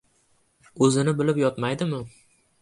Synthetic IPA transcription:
ɵzɪnɪbɪlɪpjɒt̪majd̪ɪmɪ

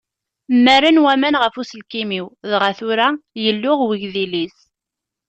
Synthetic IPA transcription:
mːæɾanwæmænʁəfuslkimiwðʁaθʊɾajəlːʊʁwiʝðilis

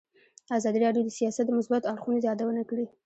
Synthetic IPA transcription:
azɑd̪iɾɑɖjod̪əsijɑsat̪d̪əmʊsbat̪ɑɾxuned̪jɑd̪awənakəɽi

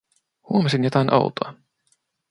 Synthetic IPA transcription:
huomesinjot̪ɑjnʔɑ̰wt̪o̰ɑ

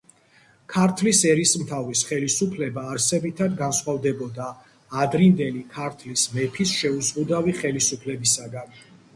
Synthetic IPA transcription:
kʰaɾt̪ʰlisɛɾismt̪ʰavɾisχɛlisupʰlɛbaːɾsɛbit̪ʰad̪ɡansχwavd̪ɛbɔd̪aː | d̪ɾind̪ɛlikʰaɾt̪ʰlismɛpʰisʃɛuzqʼud̪aviχɛlisupʰlɛbisaɡan

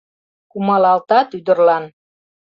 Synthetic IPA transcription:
kumɑlɑlt̪ɑt̪yd̪ə̆rlɑn

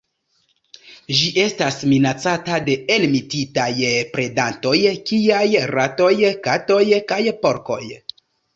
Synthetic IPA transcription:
ʒiʔe̞stasminat͡satade̞elmititajpɾe̞danto̞jkiajɾato̞jkato̞jkajpo̞ɾko̞̰j

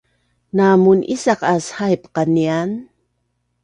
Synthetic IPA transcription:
namunʔisaqashajpqanian

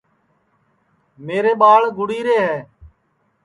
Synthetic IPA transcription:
meːɾeːɓaːɭɡʱʊɽiːɾeːɦɛː

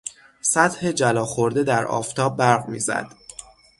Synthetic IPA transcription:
sæt̪he̞d͡ʒælɒːxoɾd̪e̞d̪æɾɒ̰ːft̪ʰɒːb̚ːæɾɣmḭːzæ̰d̪̥

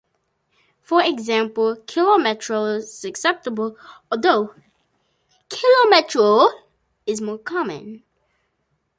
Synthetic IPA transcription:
fəɹɛɡzæ̃mpl̩ˠkʰɪlɔmɛtʰɹ̥oʊɪzəksɛp̚təbəl̩ˠɔðoʊ | kʰɪlɔmɛtɹo | ɪzmɔɹkʰɑmə̰̃n

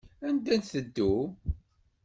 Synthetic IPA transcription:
ænd̪ænθəd̪ːu

